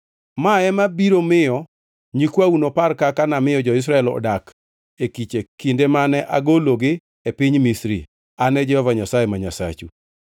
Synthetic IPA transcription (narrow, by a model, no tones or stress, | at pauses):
maɛmabiɾomɪjɔ | ɲikwaunoparkakanamɪjɔd͡ʒɔɪs̬ɾaɛlɔ̰dak | ekit͡ʃekindemanɛʔaɡoloɡɪ | epiɲmisɾḭ | anɛd͡ʒɛhɔvaɲasajemaɲasa̰t͡ʃṵ